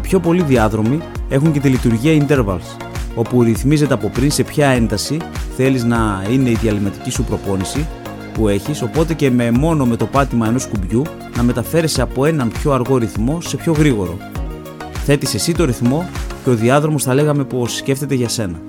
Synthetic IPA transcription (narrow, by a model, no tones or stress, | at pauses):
ipço̞po̞liðiɐðɾo̞mie̞xuɲce̞t̪ilit̪uɾʝiɐind̪e̞ɾvɐ̰ls | o̞puɾiθmize̞t̪e̞ɐpo̞pɾinse̞pçɐe̞nd̪ɐsiθe̞liznɐine̞iðiɐlimɐt̪icisupɾo̞po̞nisi | pue̞çiso̞po̞t̪e̞ce̞me̞mo̞no̞me̞t̪o̞pɐt̪imɐe̞no̞skubʝu | nɐme̞t̪ɐfe̞ɾe̞se̞ɐpo̞e̞nɐmpço̞ɐɾɣo̞ɾiθmo̞se̞pço̞ɣɾiɣo̞ɾo̞̰ | θe̞t̪ise̞sit̪o̞ɾiθmo̞ce̞o̞ðiɐðɾo̞mo̞sθɐle̞ɣɐme̞po̞sːce̞ft̪e̞t̪e̞ʝɐse̞nɐ